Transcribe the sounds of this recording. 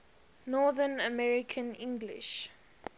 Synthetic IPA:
nɔðənəmɛɹikʰə̃nĩŋɡlḭʃ

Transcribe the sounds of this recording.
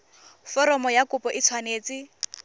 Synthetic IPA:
fɔɾɔmɔjakʊpɔʔɪt͡sʰwaneːt͡sɪ

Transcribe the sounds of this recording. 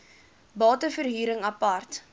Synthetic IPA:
bɑːtəfərɦiːɾəŋɐpɐrt

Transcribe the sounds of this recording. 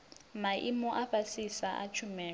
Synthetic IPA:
maʔimɔʔaɸasisaʔa̰t͡ʃʰumɛː

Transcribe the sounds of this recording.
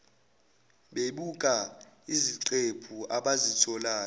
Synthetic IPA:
ɓeɓukʼa | iziǀepʰuʔaɓazitʰɔlaːn

